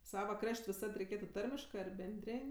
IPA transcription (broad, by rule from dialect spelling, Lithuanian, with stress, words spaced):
ˈsɑːʋɐ ˈkrɐʃʲtʲ ʋʲɪˈsɐt rʲɛɪˈkʲeːtʊ ˈtɐrʲmʲɪʃkɜ ɐr bʲɛnʲˈdʲrʲeːnʲ